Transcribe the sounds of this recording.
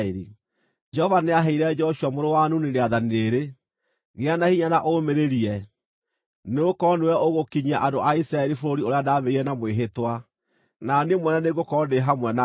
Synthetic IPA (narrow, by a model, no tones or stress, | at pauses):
eɾi | d͡ʒɛhɔvaneaɦɛiɾɛd͡ʒɔʃuamoɾowanuneneaðanieɾe | ɣeanahiɲanaʔomeɾeɾiɛ | neokɔnewɛoɣokiɲaʔadoʔaisɾaɛɾifoɾoɾioɾeadaːβeiɾɛnamweɦetwa | nanemwɛnaneɡokɔndeɦamwɛna